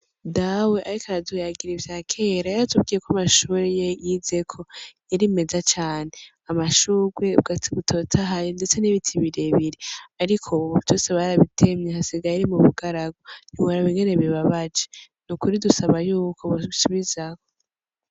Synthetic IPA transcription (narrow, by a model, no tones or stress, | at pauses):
dawe̞ʔaɾikʰaɾadujaɡiɾevjakʰe̞ːɾajaɾatʰuβɡiːe̞kamaʃuːɾejejize̞kʰo̞jaɾime̞zat͡ʃaːne̞ | amaʃuːɡwe̞β̚ɡatiβutʰo̞tʰaɦajonde̞t͡se̞niβitʰiβiɾeβiɾiaɾikʰotosaβaaɾaβitʰe̞mɲehasiɡajiɾimuβuɡaɾaɡoniβoɾaβiŋɡe̞ne̞βiβaβad͡ʒe | nukuɾidusaβajuːkʰo̞βuβisuβizako